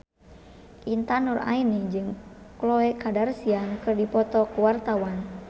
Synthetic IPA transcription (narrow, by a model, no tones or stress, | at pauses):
ʔint̪anura̰inid͡ʒɨŋ | klɔɛkadarsiankɨrdipɔt̪ɔkuwart̪awan